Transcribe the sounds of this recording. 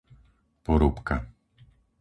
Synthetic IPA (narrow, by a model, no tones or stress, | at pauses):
pɔɾupka